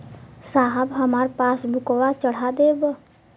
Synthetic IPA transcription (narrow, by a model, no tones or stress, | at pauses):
saɦəbɦəmaɾpasbʱʊkwat͡ʃəɽ̤ad̪eb